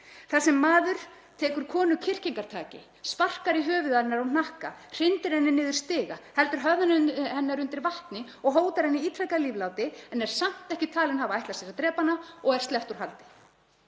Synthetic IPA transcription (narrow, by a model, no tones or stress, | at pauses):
θḁsːɛmːaːðʏɾ̥ | t̪ʰɛːkʏɾ̥kʰɔːnʏcʰɪr̥ciŋkaɾ̥t̪ʰa̰ːcɪ̰ | spar̥kaɾɪɦœːvʏðanːaɾan̥ahka̰r̥ɪnt̪ɪɾhɛnːɪnɪːðʏɾ̥st̪ɪːɣahɛlt̪ʏɾ̥ɦœðanhɛnːaɾʏnt̪ɪɾvaht̪nɪ | ɔɣɦoːwt̪aɾ̥hɛnːɪiːt̪ɾajkaliːvlawt̪ɪɛnɛɾ̥sam̥t̪ɛhcɪt̪ʰaːlɪnɦaːvaajht̪lasɛɾat̪ɾɛːpanaɔɣɛɾ̥st̪lɛht̪uɾ̥ɦalt̪ɪ̥